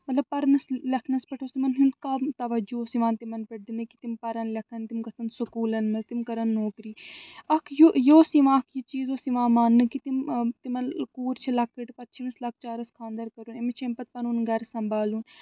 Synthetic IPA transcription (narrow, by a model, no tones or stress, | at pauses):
mɐt̪lɐb̚pɐɾnɐslɐkʰnɐspɐʈʰoːsimɐnɦind̪kamt̪ɐʋɐd͡ʒuosiʋãːnt̪imɐnpɐʈ̚d̪inɨki̥t̪impɐɾɐnlɐkʰɐnt̪imkɐsʰɐnsʊkuːlɐnmɐzt̪imkɐɾɐnːoːkɾiːɐkʰjojoːsiʋãːkʰjit͡ʃiːzoːsiʋãːmaːnːɨkit̪imt̪imɐnkuːɾt͡ʃʰɐlɐkʰːiʈpɐtt͡ʃʰiʋɐslɐk̚ʰt͡ʃaːɾɐskʰãːnd̪ɐɾkɐɾuːnemet͡ʃʰempɐt̪̚pɐnunɡɐɾsɐmbaːluːn